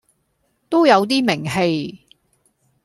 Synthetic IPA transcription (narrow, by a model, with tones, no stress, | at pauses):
t̪o˥wjɐ˨˧wt̪̬iː˥mɪ˨˩ŋɦe˧j